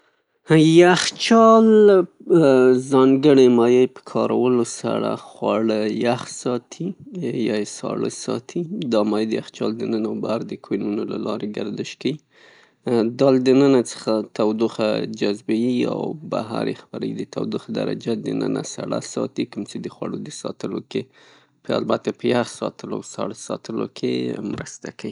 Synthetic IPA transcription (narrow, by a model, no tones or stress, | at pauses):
jaxt͡ʃɑl | zɑŋɡəɽemɑjəjpə̥kʰɑɾawəlosa̰ɽa̰xwɑɽəjaxsɑt̪ʰijɑesɑ̰ɽəsɑt̪ʰid̪ɑmɑjd̪əjaxt͡ʃɑld̪ənənabaaɾd̪əkʰwenunolalɑɾeɡaɾd̪əʃkawi | d̪ɑld̪ənənat͡sə̥xat̪awd̪uxad͡ʒazbajia̰wbaɦa̰ɾjexbaɾa̰wid̪ət̪awd̪uxd̪a̰ɾa̰d͡ʒad̪ənə̰nasaɽasɑt̪ikʊmt͡ʃed̪əxwaɽod̪əsɑt̪əloke | pəa̰lbat̪apəjaxsɑt̪əla̰wsɑɽəsɑt̪əlo̰kʰemɾəst̪akawi